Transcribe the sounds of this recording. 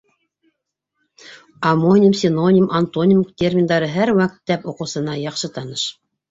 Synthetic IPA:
ɐmonʲimsʲɪnonʲimʔant̪onʲimt̪ʲerʲmʲind̪ɑɾɤɦæɾwæk̚t̪ːæpoqɤ̆wsɤ̆nɑjɑqʃɤt̪ɑnɤʃ

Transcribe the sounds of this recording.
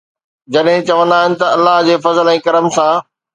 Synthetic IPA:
d͡ʑɐɗɦɪ̃t͡ɕɐʋə̃nd̪aːɦɪnɪ̆t̪ɐɐlːaɦd͡ʑeːfɐzəlɛ̃ːkɐɾəmsãː

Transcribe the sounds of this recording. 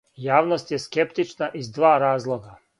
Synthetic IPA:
jaːʋnost̪je̞skept̪it͡ʃnaʔizd̪ʋaːɾaːzlˠoɡa

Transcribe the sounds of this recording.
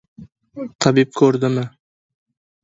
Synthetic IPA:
t̪ʰɑbip̚kʰɵɾd̪ɪmɪ

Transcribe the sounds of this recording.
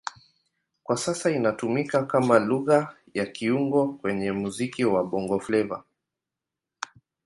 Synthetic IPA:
kwasasainatumikakamaluɣa | jakʰiuŋɡɔkwɛɲɛmuzikiwaɓɔŋɡɔflɛva̰

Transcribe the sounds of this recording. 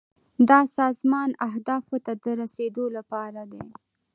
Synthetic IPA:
d̪ɑsɑzmɑnaɦd̪ɑfot̪ad̪əɾased̪olapɑɾad̪e

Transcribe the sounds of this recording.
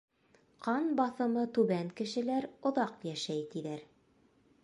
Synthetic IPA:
qʰɑnbɑθɤ̆mɤt̪ʉβæŋkɘ̆ʃɘ̆læɾŏðɑqjæʃæjt̪iðæɾ

